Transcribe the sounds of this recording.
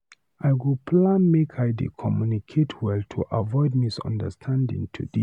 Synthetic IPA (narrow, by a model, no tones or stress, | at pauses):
ʔaɪɡupʰlãnmekʰaɪdḛkʰɔmjunikʰetʰwɛltʰuʔavɔɪd̚misɔ̰̃ndə̰stʰãndḭ̃ŋtʰṵdi